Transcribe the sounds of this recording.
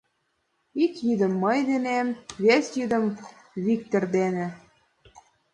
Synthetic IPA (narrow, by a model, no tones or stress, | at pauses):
ikjyd̪ə̆mːəjd̪enemβesʲjyd̪ə̆m | βik̚t̪erd̪enĕ